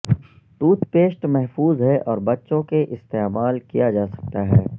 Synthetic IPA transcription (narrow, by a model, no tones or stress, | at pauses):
ʈ̪uːt̪peːʃʈmɛɦfuːzɦɛʔɔːɾbɐtːʃõkeʔɪst̪eːmaːlkijad͡ʒaːsɐ̥k̚t̪aɦɛː